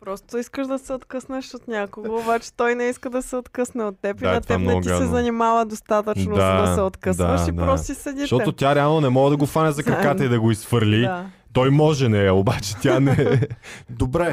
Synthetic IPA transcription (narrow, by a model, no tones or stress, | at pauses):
pɾɔst̪oiskəʃd̪ɐsɛot̪kəsnəʃot̪nʲakoɡoːbat͡ʃɛ̥t̪ɔjnɛiskəd̪ɐsɛot̪kɤsnɛot̪ːɛpiaɐt̪ɛamnɐɔɡ̪ɡiasɛzɐnimavəd̪ost̪at̪ət͡ʃnoaɐsɛot̪kəsaʃid̪paɾɔst̪isɛd̪itʃt̪ɔt̪ot̪ʲjaɾɛalˠnonɛmɔɡəd̪ɐɡofanɛzɐkkɾɐkkat̪ɐid̪ɐɡoisfəɾlʲia | t̪ɔjmɔʒɛnɛɐobat͡ʃɛ̥t̪janɛ | d̪obɾɛ